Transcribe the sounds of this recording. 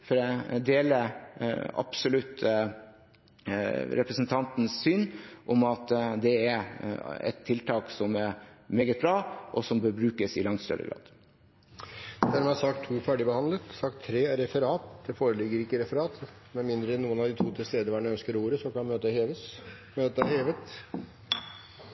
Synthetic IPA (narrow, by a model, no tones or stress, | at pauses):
fɔɾd̪eːlə | ɑ̰psʊlʉt̪ | ɾɛpɾəsənt̪ʰɑnt̪nsːynʔɔmɑt̪d̪ɛæɾɛ̰t̪ʰːɪlt̪ʰɑːksɔmæɾmeːɡət̪̚bɾɑːʔɔsɔmbøːbɾʉːkəsɪlɑŋt̪st̪œ̰ɾə̰ɡɾɑ̰ːd̪̥ | d̪æɾmɛɑsɑk̚t̪ʰːuːfæɖɪbəhɑnd̪lət̪sɑkt̪ʰːɾeːæɾɛfəɾɑːt̪d̪ɛfoːɾəlɪɡəɾɪkːəɾɛfəɾɑːt̪mɛnmɪnd̪ɾəɛnːuːənɑʋd̪ɪt̪ʰuːt̪ʰɪlst̪eːd̪əʋæːɳœnskəɾuːɾəsɔkʰɑmøːt̪əheːʋəs | møːt̪əheːʋət̪